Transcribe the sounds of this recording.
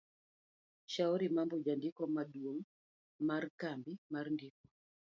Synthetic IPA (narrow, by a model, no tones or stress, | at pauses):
ʃaɔɾimambɔd͡ʒandikɔmadwoŋ | markambimarndik̚ɔ̥